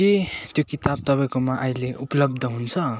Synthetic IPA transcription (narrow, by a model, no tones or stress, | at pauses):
et̪jokit̪ab̚t̪ʌbaĩkomaʔʌj̃leʔupʌlʌb̚d̪ʱʌɦunt͡sʰʌ